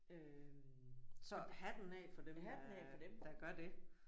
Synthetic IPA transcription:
ø | sɒ̽hæd̥enɛ̰ːfɒ̽d̥emdnɛfɒd̥emd̥ɑ̈ɡ̥ɶɐd̥e̝

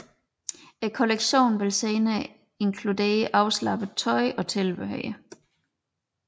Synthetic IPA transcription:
ekʰoleɡ̥ɕo̝̰ːnʋe̝lseːnɐ | e̝nkʰlud̥e̝̰ːɐʔɑ̈ʊslɑ̈b̥ət͡sʰɒ̽ɪʔɒ̽t͡sʰe̝lb̥eɦœɪ̰ə

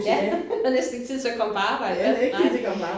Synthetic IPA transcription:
jæɒnesd̥n̩eɡ̚t͡sʰið̰ˠsekʰɒ̽m̰pʰɒɑ̈ːb̥ɑ̈ɪ̰dɡ̥̚ʰi̥ekʰɒ̽m̰pɒɑ

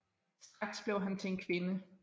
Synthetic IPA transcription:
sd̥ʁɑ̈ɡ̥sb̥leʊɦænt͡sʰe̝enkʰʋe̝nə

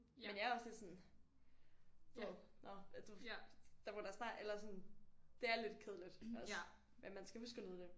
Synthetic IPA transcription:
menjɑɐɒ̽sle̝d̥sɔ̽n̩ | ʋæðˠnɒd̥ud̥ɑb̥oɾ̥ɑsnɑ̰̈ːelɐsɔ̽nd̥e̝æɐle̝d̥kʰeð̞̰ˠlid̥ɒ | mæmænsɡ̥æusɡ̥əlið̩ˠd̥e̝

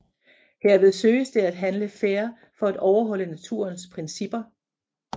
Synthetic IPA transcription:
heɐ̰ʋe̝ð̞ˠsø̰ːɪəsd̥e̝æd̥ɦænləfeːɐ | fɒ̽æd̥ɒʊɐɦɒ̽lənæt͡sʰuːɐnspʰʁɛnsib̥ɐ

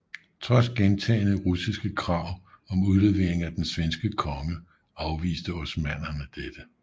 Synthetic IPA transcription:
t͡sʰʁɒ̽sɡ̥ent͡sʰɛ̰ːɪnəʁusisɡ̥əkʰʁɑ̈ʊ̰ | ɒ̽muðˠle̝ʋe̝̰ːɐeŋ̩æd̥ensʋensɡ̥əkʰɒ̽ŋə | ɑ̈ʊʋḭːsd̥əɒ̽smæn̰ɐnəd̥ed̥ə

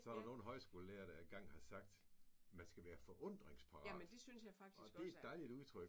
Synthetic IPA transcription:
sɒæɾ̥ɑno̝ːn̩ɦɒ̽ɪsɡ̥o̝ːləleɐɾ̥ɑenɡ̥ɑ̈ŋ̰hɑ̈sɑ̈ɡ̥̚d̥mænsɡ̥æʋæːɐfɒ̽ʔɔ̽n̰d̥ʁeŋspʰɑ̈ʁɑnd̥esynsjɑ̈fɑɡ̥̚dʰiɒd̥e̝ed̥ɑ̈ɪlid̥uðˠt͡sʰʁœɡ̥

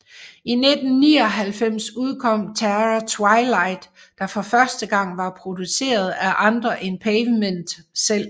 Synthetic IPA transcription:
ined̥n̩nḭːɒ̽ɦælfem̰suð̞ˠkʰɒ̽m̰t͡sʰæʁɐt͡sʰwɑɪlɑ̈ɪd̥ː | ɑ̈fɒ̽fɶɐsd̥əɡ̥ɑ̈ŋ̰ʋɑ̈pʰʁo̝d̥use̝̰ːɐð̞̩ˠæʔɑ̈nd̥ʁɐʔe̝npʰeɪʋmen̰d̥sel̰

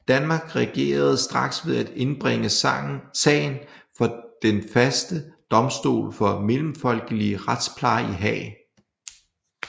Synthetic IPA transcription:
d̥ænmɑ̈ːɡ̥ʁɛɡ̥e̝̰ːɐð̞ˠsd̥ʁɑ̈ɡ̥sʋe̝ðˠæd̥e̝nb̥ʁɛŋəsɛ̰ːɪnfɒ̽d̥enfæsd̥əd̥ɒ̽msd̥o̝̰ːlfɒ̽me̝lm̩fɒ̽l̰ɡ̥əliəʁad̥spʰlɑ̈ɪiɦɛ̰ːɪ

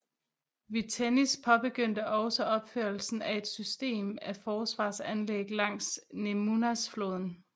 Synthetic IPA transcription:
ʋit͡sʰenispʰɒ̽b̥e̝ɡ̥øn̰d̥əʔɒ̽ʊsəɒ̽b̥føɐl̩sn̩æe̝d̥sysd̥e̝̰ːmæfɒːsʋɑ̰̈ːsænleɡ̥lɑ̈ŋ̰snemunæsfloːð̞̰ˠn̩

